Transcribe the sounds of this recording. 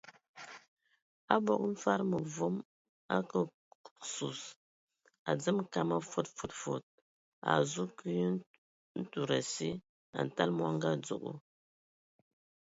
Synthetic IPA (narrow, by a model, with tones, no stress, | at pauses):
a˦bo˨kɱ̩˦fa˦ɾmə˨vo˦m | a̰˦kə˨ | su˨s | a̰˨d͡zə˦mka˨ma˦fo˦˨tfu˨tfo˨t̚ | a̰˨zu˦ki˦j | n̩˦tu˨ɾa˨si˦ | a̰˨n˨ta˦lmwa˦ŋɡa˦d͡zṵ˨kṵ˦